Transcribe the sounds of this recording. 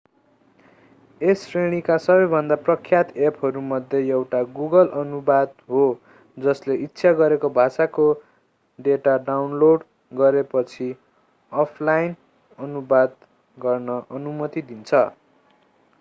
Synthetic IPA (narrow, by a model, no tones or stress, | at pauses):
esreɽ̃ikasʌbʌjbʱʌnd̪aprʌkʰːjat̪epʰɦʌɾumʌd̪ʱjeewʈaɡuɡʌlʌnubad̪ɦo | d͡zʌsleʔitːsʰaɡʌɾekobʱasako | ɖeʈaɖawnloɖ | ɡʌɾepʌt͡sʰi | ʌpʰlajn | ʌnubad̪ | ɡʌrnʌʔʌnumʌt̪id̪int͡sʰʌ